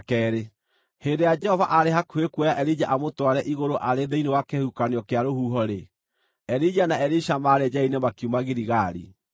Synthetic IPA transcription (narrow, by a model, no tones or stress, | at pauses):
kɛɾe | hendejad͡ʒɛhɔvaʔaɾeɦakuekwɔjaʔɛɾid͡ʒaʔamotwaɾɛʔiɣoɾoʔaɾeðɛinewakehukaneɔkeaɾohuːɦɔɾe | ɛɾid͡ʒanaɛɾiʃamaɾɛd͡ʒainemakiumaɣiɾiɣaɾḭ